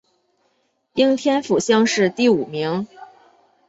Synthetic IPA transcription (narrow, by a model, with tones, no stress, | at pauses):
i˥ŋt̪ʰjɛ˥nfu˨˩ɕjɑ˥ŋʂɻ̩˥˧t̪i˥˩u˨˩mi˧˥ŋ